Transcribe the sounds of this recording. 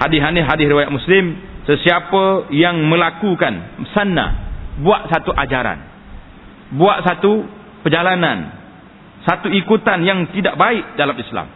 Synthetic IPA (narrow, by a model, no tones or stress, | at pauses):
hadɪɦanɪɦadɪɾiwajat̪ʔ̪̚muslɪmsəsiapəjaŋməlakukansanːa̰buaʔsat̪uʔad͡ʒaɾa̰n | buaʔsat̪u | pəd͡ʒalanan | sat̪uikut̪anjaŋt̪idaʔbaɪʔ̚dalamisla̰m